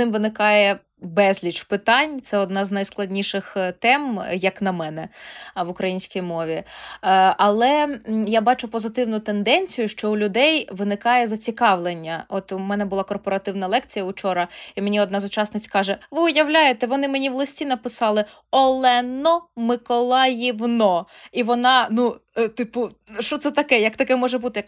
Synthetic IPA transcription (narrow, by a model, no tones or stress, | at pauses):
ɪmʋɪnɪkɑjɛ | bɛzʲlʲit͡ʃpɪt̪ɑnʲt̪sɛɔd̪nɑznɐjsklˠɐdʲnʲiʃɪxt̪ɛmjɐknɐmɛnɛʋʊkɾɐjinʲsʲkʲijmɔʋʲi | ɐlˠɛjabɑt͡ʃʊpɔzɪt̪ɪwnʊt̪end̪ɛnʲt͡sʲijʊʃt͡ʃɔʊlʲʊd̪ɛjʋɪnɪkɑjɛzɐt͡sʲikɑʋlˠenʲːɐɔt̪ʊmɛnɛbʊlˠɑkɔrpɔɾɐt̪ɪwnɐlˠɛkt͡sʲijɐʊt͡ʃɔɾɐimenʲiɔd̪nɑzʊt͡ʃɑsnɪt͡sʲkɑʒɛʋɨʊjɐwlʲajet̪ɛʋɔnɪmenʲiʋlˠɐsʲtʲinɐpɪsɑlˠɪ | ɔlˠɛnɔmɪkɔlˠɑjiʋnɔ | iʋɔnɑnut̪ɪpʊ | ʃt͡ʃɔt̪sɛt̪ɐkɛjɐk̚t̪ɐkɛmɔʒɛbut̪ɪjɐk